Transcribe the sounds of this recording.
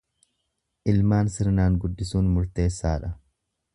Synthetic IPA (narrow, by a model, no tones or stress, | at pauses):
ʔɪlmaːnsɪɾnaːŋɡʊd̪ːɪsuːnmʊɾt̪e̞ːsːaːᶑɐ